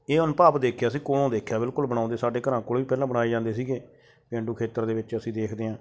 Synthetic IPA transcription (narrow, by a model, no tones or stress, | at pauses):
eːʊnpaːpd̪eːkʰjaːsĩːkoːɽõːd̪eːkʰjaːbɪlkʊlbənãːʊ̃nd̪eːsaːɖeːkəɾãːkoːɽʋiːpɛːlãːbəɽaːeːd͡ʒãːnd̪eːsiːɡeː | pẽːɳɖuːkʰeːt̪əɾd̪eːʋɪt͡ʃəsĩːd̪eːkʰd̪eːɦãː